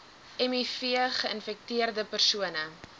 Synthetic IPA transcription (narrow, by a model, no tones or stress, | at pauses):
ɛmifiəχəənfɛk̚tiərdəpərsuənə